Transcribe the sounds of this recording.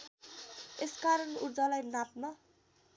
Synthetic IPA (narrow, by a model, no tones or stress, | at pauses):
eskaɾʌnurd͡zʌlajnap̚nʌ